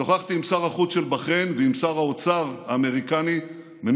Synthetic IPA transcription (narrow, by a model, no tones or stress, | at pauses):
oχaχt̪iːmsaʁaχut͡sʃelbaχenveimsaʁaot͡saʁaːme̞ʁikani | men